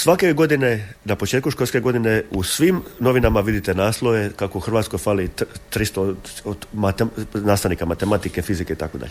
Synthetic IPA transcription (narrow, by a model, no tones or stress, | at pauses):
sʋakeojɡo̞d̪inenapo̞t͡ʃet̪̚kuʃkolʲske̞ɡo̞d̪ineusʋimno̞ʋinamaʋid̪it̪enaːslˠo̞je̞kakouxr̩ʋaːt̪sko̞jfalit̪ɾist̪ood̪mat̪enaːsaʋnikamat̪e̞mat̪ike̞fizikeit̪akod̪a̰ʎe